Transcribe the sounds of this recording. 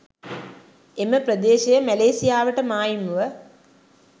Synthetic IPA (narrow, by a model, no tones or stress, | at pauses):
eməpɾəd̪eːʃejəmæleːsijaːʋəʈəmaːjimuʋə